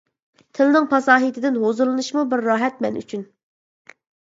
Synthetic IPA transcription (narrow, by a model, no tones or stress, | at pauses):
t̪ʰɪlnɪŋpʰɑsɑːɦit̪ʰɪd̪ɪnɦozɨlˠɨnɨʃmubɪɾːɑːɦɛt̪̚mɛny̰t͡ʃʰyn